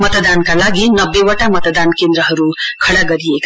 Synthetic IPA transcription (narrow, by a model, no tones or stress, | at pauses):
mʌt̪d̪ankalaɡinʌbːewaʈamʌt̪d̪ankend̪ɾʌɦʌɾukʰʌɽaɡʌɾiek